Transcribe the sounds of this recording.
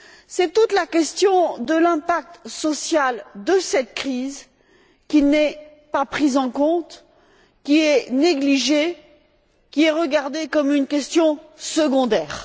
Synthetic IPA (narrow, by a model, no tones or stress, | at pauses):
sɛt̪ut̪lakʲɛst̪jɔ̃d̪əlɛ̃pak̚t̪sɔsjald̪əsɛt̪kχiz | kʲinɛ | papχizɑ̃kɔ̃t̪ | kʲiɛneɡliʒe | kʲiɛʁəɡaʁd̪ekɔmynkʲɛst̪jɔ̃səɡɔ̃d̪ɛːʁ